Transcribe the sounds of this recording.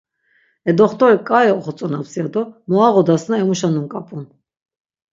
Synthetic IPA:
ɛd̪ɔχt̪ɔɾikʼaɛɔχɔt͡sʼɔnapsiad̪ɔmɔaʁɔd̪asnaɛmuʃanumkʼapʼun

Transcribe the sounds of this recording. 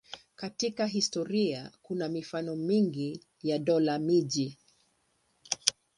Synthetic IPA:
katikaɦistɔɾiakunamifanɔmiŋɡi | jaɗɔlamiʄi

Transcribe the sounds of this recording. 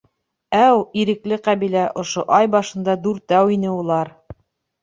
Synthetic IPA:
æwiɾɘ̆klɘqæβilæʔŏʃoʔɑjbɑʃɤ̆nd̪ɑd̪uɾt̪æwinɘulˠɑɾ

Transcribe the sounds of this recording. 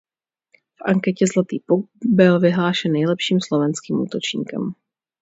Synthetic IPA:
fʔaŋkɛcɛzlat̪iːpuɡ̚bɪlvɪɦlaːʃɛnːɛjlɛpʃiːmslo̞vɛnskiːmʔṵːt̪o̞t͡ʃɲḭːkɛ̰m

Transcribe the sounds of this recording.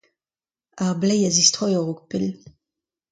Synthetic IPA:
aʁblɛjazist̪χɔjɔʁuk̚pel

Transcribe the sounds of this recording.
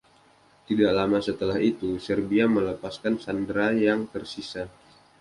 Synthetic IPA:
t̪idaʔlamasət̪əlahit̪usərbiamələpaskansandɾajaŋt̪ərsisa

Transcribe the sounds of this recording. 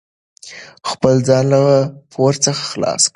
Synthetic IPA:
xpəlzɑnləɣapʰoɾt͡səxḁxlɑ̰sk

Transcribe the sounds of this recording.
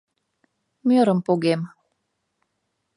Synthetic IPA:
møɾəmpoɣem

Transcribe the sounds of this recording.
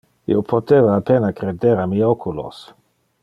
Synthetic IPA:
ḭopʰot̪evaːpenakɾed̪eɾamiokʰulo̰s

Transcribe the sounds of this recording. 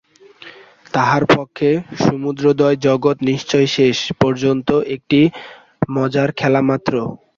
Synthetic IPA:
t̪aɦaɾpokʰːeʃumud̪ɾod̪ɔed͡ʑɔɡot̪niʃt͡ɕɔjʃeʃpɔɾd͡ʑont̪oʔek̚ʈi | mɔd͡ʑaɾkʰɛlamat̪ːɾo

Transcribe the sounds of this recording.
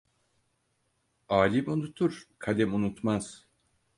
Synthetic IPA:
aːlʲimunut̪ʰuɾ̥kʰalʲɛmunut̪maz̥

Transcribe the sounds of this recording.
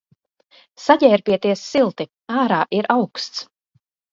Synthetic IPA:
saɟɛːɾpiɛt̪iɛsːilˠt̪i | aːɾaːʔiɾʔawkst̪s

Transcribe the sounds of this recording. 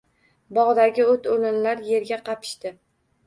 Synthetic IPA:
bɒʁd̪aɡʲɪot̪olɪnlaɾje̞ɾɡʲaqʰɑpʰɪ̥ʃt̪ɪ

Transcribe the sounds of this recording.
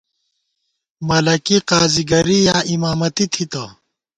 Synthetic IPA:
mɐlɐkiqaːziɡɐɾijaːʔimaːmɐt̪it̪ʰit̪ɐ

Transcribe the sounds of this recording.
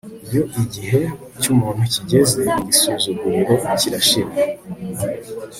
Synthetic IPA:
ibjo̞ʔiɟiɦe̞ | cumuːn̥huciɟe̞ze̞iɟisuzuɡuɾiɾe̞ciɾaʃiɾe

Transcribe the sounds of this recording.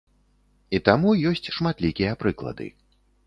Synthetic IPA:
it̪amujɔsʲt͡sʲʂmat̪lʲikʲijɐpɾɨklˠɐ̰d̪ɨ̰

